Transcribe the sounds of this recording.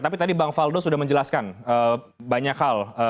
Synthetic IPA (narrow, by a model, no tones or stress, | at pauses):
t̪apit̪adibaŋfaldosudahməɲd͡ʒəlaskanə | baɲakhalə